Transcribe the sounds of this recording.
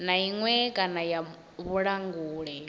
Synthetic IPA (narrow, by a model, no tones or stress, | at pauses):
naiŋwɛkʼanaja | βuɺaŋɡuːɺɛ